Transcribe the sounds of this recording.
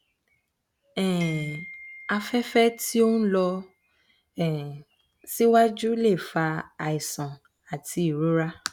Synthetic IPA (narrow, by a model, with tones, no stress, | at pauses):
ɛ̃˨ | a˧fɛ˦fɛ˦tʰi˦o˦ñ̩˦lɔ˧ | ɛ˨ | si˦wa˦d͡ʒu˦le˦˨fa˧a˨i˨sã˨ | a˨tʰi˨˧i˨ɾu˨˦ɾa˦